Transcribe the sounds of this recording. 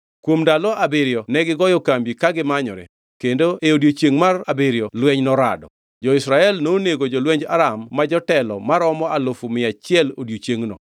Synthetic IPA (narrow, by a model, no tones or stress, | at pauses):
kwomdalɔabeɾjɔnɛɡɪɡɔjɔkambikaɡɪmaɲɔ̰ɾɛ̰ | kendoeodjot͡ʃeŋmarabeɾjɔlwɛɲnɔɾa̰dɔ̰ | d͡ʒɔɪsɾaɛlnoneɡod͡ʒolwɛɲd͡ʒa̰ɾamːad͡ʒɔtɛlɔ̰maɾɔmɔalofumɪat͡ʃɪɛlodjot͡ʃjeŋnɔ̰